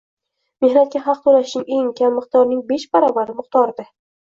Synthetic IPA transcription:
me̞hnat̪̚kʲaɦɑq̚t̪ʰoɾaɪʃnɪŋe̞ŋkʲʰamːɨqt̪ʰɒɾnɪŋbe̞ʃbaɾɒbaɾɪmɨqt̪ɒɾd̪ɪ

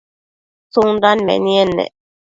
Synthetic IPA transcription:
suŋdanmɛ̰niɛnːɛ̰

